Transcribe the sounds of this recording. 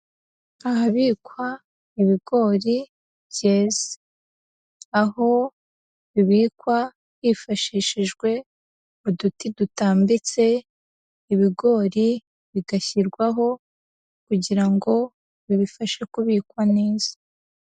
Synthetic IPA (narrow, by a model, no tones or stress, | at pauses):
aɦaβiːkwa | iβiɡo̞ːɾi | bje̞ːzḁ | aho̞ | βiβiːkwa | βiːfaʃiːʃiʒɡwe̞ | udutidutaːmbit͡se̞ | iβiɡo̞ːɾi | βiɡaçiɾɡwaɦo̞ | kuɟiɾaŋɡo̞ | βiβifaʃekuβiːkwaneːz̥ḁ